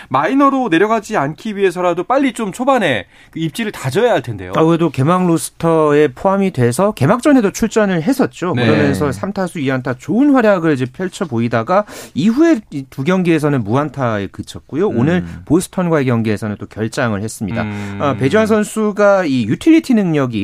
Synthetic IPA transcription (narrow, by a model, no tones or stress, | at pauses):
mainʌɾone̞ɾjʌɡad͡ʑiankʰiɥiɦe̞s̬ʰʌɾadop͈aʎːit͡ɕomt͡ɕʰobane̞ | kɯip̚t͡ɕ͈iɾɯɭtad͡ʑʌjaɦaɭtʰende̞̰joaedoke̞maŋlos͈ʰɯ̥tʰʌe̞pʰoɦamidwe̞sʰʌke̞mak̚t͡ɕ͈ʌne̞dot͡ɕʰuɭt͡ɕ͈ʌnɯɭɦe̞s͈ʰʌt̚t͡ɕ͈onkɯɾʌmjʌnsʰʌsʰamtʰasʰuiantʰat͡ɕoɯnɸwaɾjaɡɯɭid͡ʑepʰjʌɭt͡ɕʰʌboidaɡaiɸue̞ituɡjʌŋɡie̞s̬ʰʌnɯnmuantʰaekɯt͡ɕʰʌt̚k͈ojonɯɭposʰɯ̥tʰʌnɡwae̞kjʌŋɡie̞sʰʌnɯnt͈okjʌɭt͡ɕ͈aŋɯɭhes͈ɯmɲida̰ʌpe̞d͡ʑwansʰʌnsʰuɡaijutʰiʎːitʰinɯŋɲʌɡi